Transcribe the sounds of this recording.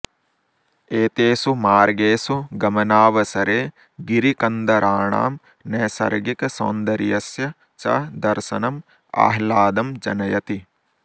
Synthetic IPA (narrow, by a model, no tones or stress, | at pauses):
eːt̪eːsumaːɾɡeːsuɡɐmɐnaːʋɐsɐɾeː | ɡiɾikɐnd̪ɐɾʔaːɳa̰ːm | neːsɐ̰ɾɡikɐso̰ːnd̪ɐɾijɐsjɐ | t͡ʃɐ̰d̪ɐɾsɐnɐm | a̰ːɦlaːd̪ɐmd͡ʒɐ̰nɐjɐt̪i